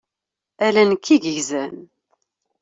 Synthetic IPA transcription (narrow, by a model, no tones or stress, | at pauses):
ælænəkʰːiʝəʝzæn